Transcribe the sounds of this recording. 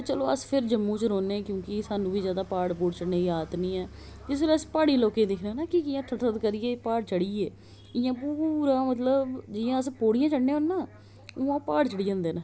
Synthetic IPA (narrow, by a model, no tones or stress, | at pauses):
t͡ʃəloːəspʰɪɾd͡ʒəmːũːt͡ʃɾoːneːkjõːkɪsaːnũːbiːzjaːd̪aːpaːɽpuːɽt͡ʃəɽnẽːaːt̪nĩːɛː | d͡ʒɪs̬elespaːɽiːloːkeːd̪ɪkʰneːnaːkɪɪjãːʈʰətət̪kəɾiːeːpaːɽt͡ʃəɽiːeː | ɪjãːp̬uːɾaːmət̪̬ləbd͡ʒɪːãːəspoːɽɪjãːt͡ʃəɽnẽːɦonːãː | oːãːpaːɽt͡ʃəɽiːd͡ʒãːnd̪eːnãː